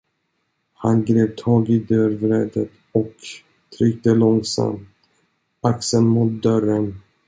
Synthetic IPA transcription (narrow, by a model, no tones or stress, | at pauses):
hanɡɾeːpt̪ʰɑːɡid̪œɾvɾɛːd̪ət̪ | ɔk | t̪ʰɾʏkt̪əlɔŋsa̰mt̪ | aksənmʊt̪̚d̪œɾən